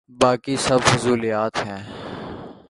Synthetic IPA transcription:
baːkisɐbfʊzuːlijaːt̪ɦɛ̃ː

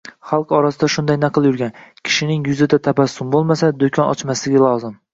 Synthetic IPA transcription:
χɑlˠqɒɾasɪd̪aʃʊnd̪ajnaqʰɨlˠjʊɾɡʲankʲʰɪ̥ʃɪnɪŋjʊzɪd̪at̪ʰapasːʊmbolˠmasad̪okʲʰɒnɒ̰t͡ʃmaslɪɡʲalˠɒzɪm

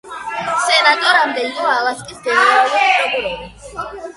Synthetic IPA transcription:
sɛnat̪ʼɔɾamd̪ɛiɔalaskʼisd̪ɛnɛɾaluɾɔɡuɾɔbi

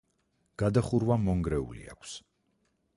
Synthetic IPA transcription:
ɡ̥ad̪aχuɾwamɔŋɡɾɛṵlḭa̰kʷʰs

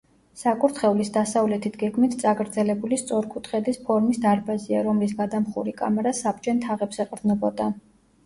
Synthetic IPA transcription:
sakʼuɾt̪ʰχɛulisd̪asavlɛt̪ʰit̪ʰɡɛɡmit̪ʰt̪sʼaɡʼɾd̪zɛlɛbulist̪sʼɔɾkʰut̪ʰχɛd̪ispʰɔɾmisd̪aɾbaziaɾɔmlis̬ɡad̪amχṵɾikʼa̰mɛɾasab̚t͡ʃʼɛnt̪ʰaʁɛpsɛqʼɾd̪nɔbɔd̪an

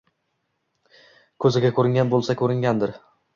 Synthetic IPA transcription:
kʰɵzɪɡʲakʰɵɾɪŋɡʲanbolˠsakʰɵɾɪŋɡʲand̪ɪɾ

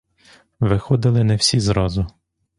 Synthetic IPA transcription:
ʋɪxɔd̪ɪlˠɪnɛwsʲizɾɔzʊ

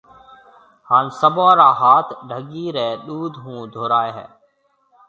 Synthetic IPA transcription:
haːnsəbãːɾaːɦaːt̪ʰɖʱəɠiːɾɛːɗuːd̪ʱɦũːd̪ʱoːɾaːeɦɛ̰ː

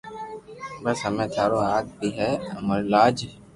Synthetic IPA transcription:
bəsɦəmẽːt̪ʰaːɾoːaːɡ̚biːɦɛməɾlaːd͡ʒ

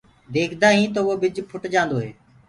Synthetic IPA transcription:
d̪eːkʰd̪aːɦĩːt̪oːʋoːbɪd͡ʒpʰʊʈd͡ʒãːnd̪oːɦeː

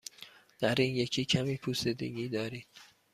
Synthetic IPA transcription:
d̪̥æɾiːnje̞cʰiːcʰæmiːpʰuːsed̪ḛɡiːd̪ɒːɾiːd̪̥̚

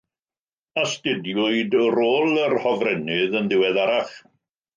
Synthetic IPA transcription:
astɪdjʊɨdəɾoːlˠərhɔvrɛnɪðənðɪwɛðaɾaχ

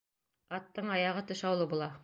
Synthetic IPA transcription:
ɑt̪ːɤɴɑjɑʁɤt̪ɵ̆ʃɑwlˠɤbulˠɑ

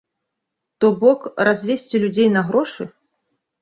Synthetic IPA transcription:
t̪ɔbɔkrazʲvʲesʲt͡sʲilʲud͡zʲejnɐɣɾɔʂɨ

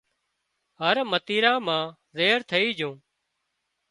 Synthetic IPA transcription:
ɦəɾmət̪iːɾãːmãː | zeːɾt̪ʰəiːd͡ʒũː

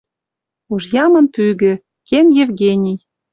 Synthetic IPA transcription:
uʒjɑmɤ̆npyɣɘ̆ | kenjevɡenʲij

